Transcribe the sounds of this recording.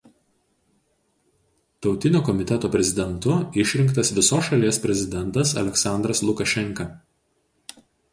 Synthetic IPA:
t̪ɒʊt̪ʲɪnʲoːkɔmʲɪt̪ʲɛt̪oːpʲɾʲɛzʲɪd̪ʲɛnt̪ʊɪʃʲɾʲɪŋkt̪ɐsʋʲɪsoːsʃɐlʲiɛspʲɾʲɛzʲɪd̪ʲɛnˑt̪ɐsɐ̰lʲɛksɑˑnd̪ɾɐslˠʊkɐʃʲɛŋkɐ

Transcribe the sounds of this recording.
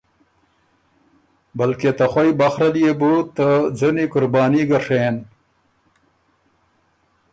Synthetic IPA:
bɐlket̪ɐxwɐjbɐxɾɐlijebut̪ɐd͡zɐnikʊɾbaːniɡɐʂeːn

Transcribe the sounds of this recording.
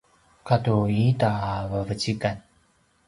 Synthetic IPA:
katuitavəvət͡ɕikan

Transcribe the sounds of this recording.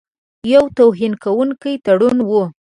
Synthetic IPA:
jawt̪awɦinkawuŋkəjt̪aɽunwu

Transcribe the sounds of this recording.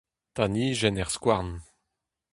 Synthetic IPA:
t̪aniʒɛnɛʁskwaʁn

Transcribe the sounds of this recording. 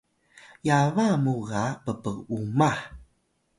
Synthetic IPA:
javamuɣapəpəɣumaħ

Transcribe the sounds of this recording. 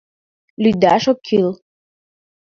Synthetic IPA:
lyd̪aʃokʰil

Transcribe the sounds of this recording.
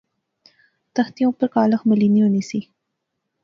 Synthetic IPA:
t̪axt̪ijõpəɾkɑlaxməlinijonisi

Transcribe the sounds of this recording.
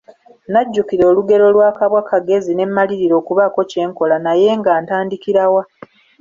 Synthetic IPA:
naɟːukiɾo̞ːluɡe̞ɾo̞lwaːkaβwakaɡe̞zine̞mːaliɾiɾo̞ːkuβako̞ce̞ːŋko̞lanaje̞ŋɡaːntaːndikiɾawa

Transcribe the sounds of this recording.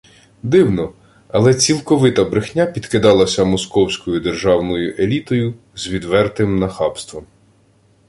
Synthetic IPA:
d̪ɪwnɔ | ɐlˠɛt͡sʲilˠkɔʋɪt̪ɐbɾɪxnʲapʲid̪̥kɪd̪ɑlˠɐsʲɐmɔskɔwsʲkɔjʊd̪erʒɑwnɔjʊʔelʲit̪ɔjʊ | zʋʲid̪ʋɛrt̪ɪmnɐxɑpst̪ʋɔm

